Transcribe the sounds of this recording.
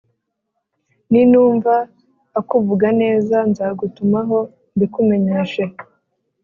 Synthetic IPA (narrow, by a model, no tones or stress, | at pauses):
ninuːɱvaː | kuvuɡane̞ːzanzaːɡutumaɦo̞ | ndikume̞ɲe̞ːʃe̞